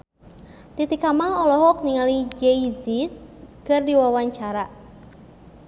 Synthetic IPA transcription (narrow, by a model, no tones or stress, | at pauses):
t̪it̪ikamaɔlɔɦɔk̚niŋalid͡ʒɛizit̪̚kɨrdiwawaɲt͡ʃaɾa